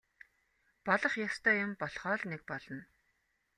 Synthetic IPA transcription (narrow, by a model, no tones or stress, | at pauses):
paɮə̆χjast̪ʰœːjʊmpɔɮχɔːɮnek̚pɔɮɞ̆n